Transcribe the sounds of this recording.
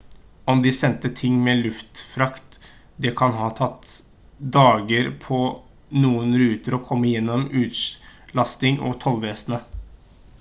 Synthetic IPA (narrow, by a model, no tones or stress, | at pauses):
ɔmd̪ɪsɛnt̪ət̪ʰɪŋːmɛlʉft̪fɾɑkt̪ | d̪ɛkʰɑnɦɑːt̪ʰɑt̪ː | d̪ɑːɡəɾpʰɔ | nuːənɾʉːt̪əɾɔkʰɔmːəjɛnːɔmʉːt̪lɑst̪ɪŋʔɔ̰t̪ʰɔlʋeːsnə